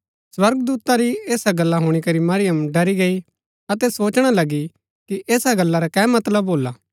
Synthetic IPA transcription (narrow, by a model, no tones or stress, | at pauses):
swɐɾɡd̪uːt̪ãɾieːsaɡɐlːaɦʊɽ̃ikɐɾimɐɾɪjəmɖɐɾiɡɐi | ɐt̪ɛsoːt͡ʃɽ̃alɐɡi | kiʔeːsaɡɐlːaɾakɛːmɐt̪ləbɦoːlaː